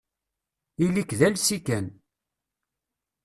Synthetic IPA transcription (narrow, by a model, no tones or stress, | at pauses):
ilikːðælsikæn